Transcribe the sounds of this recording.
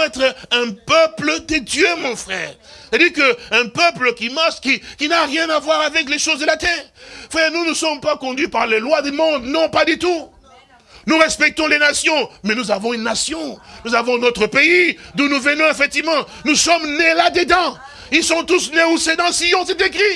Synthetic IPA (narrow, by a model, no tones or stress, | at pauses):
ɛt̪χɛ̃pœpləd̪əd̪jømɔ̃fχɛːʁsad̪iːʁkəɛ̃pəpləkʲimaʁʃkʲikʲinaʁjɛ̃navwaʁavɛkleʃozd̪əlat̪ɛːʁfɛnunəsɔmpakɔ̃d̪ɥipaʁlelwad̪ymɔ̃d̪nɔ̃pad̪yt̪u | nuʁɛspɛk̚t̪ɔ̃lenasjɔ̃mɛnuzavɔ̃ynːasjɔ̃nuzavɔ̃nɔt̪χəpeid̪ũnuvənɔ̃efɛk̚t̪ivmɑ̃ | nusɔmnelad̪əd̪ɑ̃ | ilsɔ̃t̪usneused̪ɑ̃sijɔ̃sɛt̪ekχi